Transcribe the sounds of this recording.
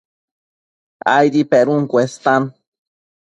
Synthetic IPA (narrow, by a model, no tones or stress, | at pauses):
a̰jɾipeɾuŋkʷest̪an